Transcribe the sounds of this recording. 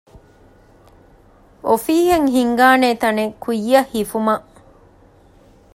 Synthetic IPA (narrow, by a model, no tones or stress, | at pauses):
ʔofiːɦeŋɦiŋɡaːneːt̪ɐnekujːɐhifumɐʔ